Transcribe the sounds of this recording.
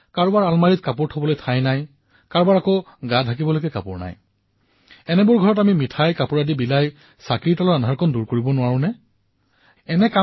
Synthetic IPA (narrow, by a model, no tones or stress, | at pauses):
kaɹbaɹalmaɹit̚kapʊɹtʰɔbɔlojtʰajnaj | kaɹbaɹako | ɡadʱak̬ibɔlojkɛkapʊɹna̰j | ɛnɛbʊɹɡʱɔɹɔtamimitʰajkapʊɹadibilaj | sakiɹitɔlɔɹanɦaɹkʰɔnduɹkoɹibɔnʊwaɹʊ̃nɛ | ɛnɛka